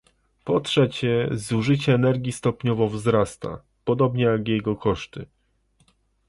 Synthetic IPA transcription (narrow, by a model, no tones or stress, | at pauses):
pɔtʂɛt͡ɕɛzuʐɘt͡ɕɛːnɛɾɡʲist̪ɔpɲɔvɔvzɾast̪a̰ | pɔd̪ɔbɲɛjaɡjɛɡɔkɔʂt̪ɘ